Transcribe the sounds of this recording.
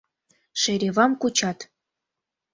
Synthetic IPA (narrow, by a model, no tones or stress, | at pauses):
ʃeɾʲeβɑmkut͡ɕɑt̪